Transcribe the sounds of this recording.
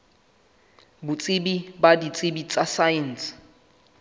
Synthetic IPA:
bʊt͡sʼɪbibadit͡sʼɪbit͡sʼasajins

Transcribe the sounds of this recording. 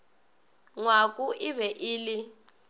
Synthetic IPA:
ŋwakʼuʔɪβɛʔiːlɪ

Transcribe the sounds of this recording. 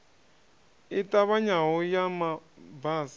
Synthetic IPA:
itaβaɲaɦɔjamabaːsa

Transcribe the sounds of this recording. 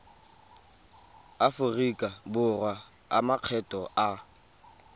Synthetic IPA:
afʊrikʼabʊrwa | a̰maq͡χʰɛtʼɔʔa

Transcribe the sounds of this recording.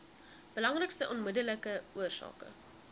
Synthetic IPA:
b̥əlɐŋrəkstəʔɔnmədələkəuərsɑ̰ːkə̰

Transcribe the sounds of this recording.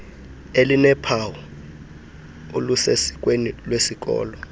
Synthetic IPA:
elinɛpʰaw | olusesi̥k̬ʼwenilwesik̬ʼɔ̰ːlɔ

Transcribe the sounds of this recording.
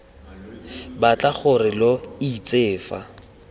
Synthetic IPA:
bat͡ɬʼaχʊrɪloit͡sʼeːfa̰

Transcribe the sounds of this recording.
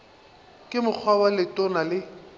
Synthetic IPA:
kʼɪmʊk͡xʰwabalɪtʼʊnalɪ

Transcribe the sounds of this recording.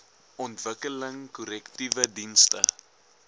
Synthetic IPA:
ʔɔntvəkələŋkɔɾɛktivədinstə

